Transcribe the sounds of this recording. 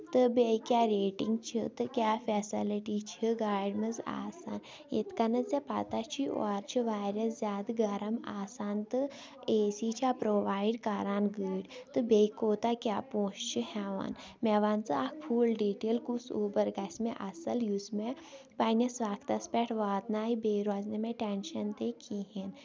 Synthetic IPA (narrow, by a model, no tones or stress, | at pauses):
t̪ɨbejkʲjaɾeːʈiŋɡ̚t͡ʃʰḭt̪ɨkʲjaːfʰɛsiliʈit͡ʃʰiɡaːjɖmɐza̰ːsaːn | jḛt̪kɐnɐt͡sepa̰t̪at͡ʃʰiɔ̰ɾt͡ʃʰiʋaːɾɐszʲaːd̪ɡɐɾɐmaːsaːnt̪ɨ | eːsit͡ʃʰapɾoːʋaːjɖkaɾaːnɡəːɽt̪ɨbejkoːt̪akʲjaːpoːʃt͡ʃʰihɛʋa̰ːn | meʋaːnt͡sɨakpʰuːlɖiːʈeːlkusoːbɐɾɡɐsʲmeʔɐsɐljusme | pajnʲɐsʋaːɡt̪ɐspʲɛʈʰʋaːd̪naːjibeɾaːznemeʈɛnʃɐnt̪ekʰiɦen